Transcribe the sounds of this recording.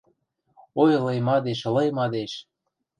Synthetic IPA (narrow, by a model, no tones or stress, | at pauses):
ojlɤjmɑd̪eʃlɤ̆jmɑd̪eʃ